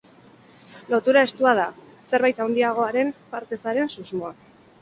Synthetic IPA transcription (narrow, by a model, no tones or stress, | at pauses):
lo̞t̪uɾae̞st̪uað̞a | se̞ɾβajt̪awnd̪iaɣ̞o̞aɾe̞mpaɾt̪e̞saɾe̞nsuzmo̞a